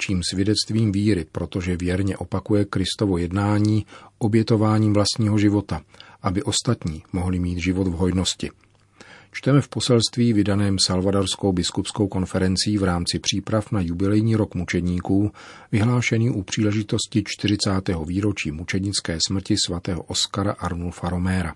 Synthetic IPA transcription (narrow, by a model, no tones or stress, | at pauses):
t͡ʃiːmsvjɛdɛt͡st̪viːmviːɾɪpɾo̞t̪o̞ʒɛvjɛɾɲɛʔo̞pakujɛkɾɪst̪ovo̞jɛdnaːɲiːʔo̞bjɛt̪o̞vaːɲiːmvlast̪ɲiːɦo̞ʒɪvo̞t̪aʔabɪʔo̞st̪at̪ɲiːmo̞ɦlɪmiːt̪ʒɪvo̞d̪vɦojno̞scɪ | t͡ʃt̪ɛmɛfpo̞sɛlst̪viːvɪdanɛːmsalvadaɾsko̞wbɪskupsko̞wko̞nfɛɾɛnt͡sɪiːvɾaːmt͡sɪpr̝̥iːpɾafnajubɪlɛjɲiːɾo̞kmut͡ʃɛdɲiːkuːvɪɦlaːʃɛniːʔupr̝̥iːlɛʒɪt̪o̞scɪt͡ʃt̪ɪr̝ɪt͡saːt̪ɛːɦo̞viːɾo̞t͡ʃiːmut͡ʃɛdɲɪt͡skɛːsmr̩cɪsvat̪ɛːɦo̞̰ʔo̞skaɾa̰ʔaɾnulfaɾo̞mɛɾa